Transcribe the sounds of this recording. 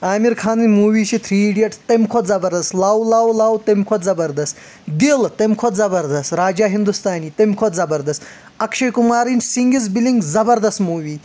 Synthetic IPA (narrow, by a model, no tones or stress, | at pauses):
aːmiɾkʰaːnɨnʲmuːwiːt͡ʃʰit̪ʰɾiːɖijɐʈt̪emʲkʰot̪zɐbɐɾd̪ɐst̪lawlaːwlaːwt̪emʲkʰot̪zɐbɐɾd̪ɐst̪ | d̪ilt̪emʲkʰot̪zɐbɐɾd̪ɐst̪ɾaːd͡ʒaːɦind̪ust̪aːniːt̪emʲkʰot̪zɐbɐɾd̪ɐst̪ | ɐkʃɐjkumaːɾinʲt͡ʃsiŋɡizbilʲiŋɡzɐbɐɾd̪ɐst̪muːʋiː